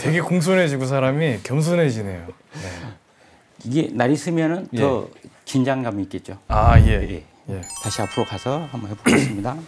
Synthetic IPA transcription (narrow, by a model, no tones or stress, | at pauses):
te̞ɡe̞koŋs̬ʰonɦe̞d͡ʑiɡus̬ʰaɾamikjʌms̬ʰonɦe̞d͡ʑine̞jo | e | iɡe̞naɾis͈ʰɯmjʌnɯnjʌt͡ɕind͡ʑaŋɡamiːk͈e̞t̚t͡ɕ͈oajejḛ | je̞taɕʰiapʰɯɾokʰasʰʌhambʌnɦebos͈ʰɯmɲida